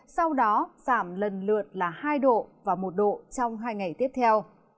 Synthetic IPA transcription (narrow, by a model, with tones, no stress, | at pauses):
sɔ˧wɗɔ˨˦z̥aː˧˩mlə˨˩nlɨ̰˧˨ən̚laː˨˩haː˧jɗo̰˧˨vaː˨˩mo˨˩t̚ɗo̰˧˨t͡ɕɔ˧wŋ͡mɦaː˧jŋa˨˩jt̪i˦˥əp̚t̪ʰɛ˧w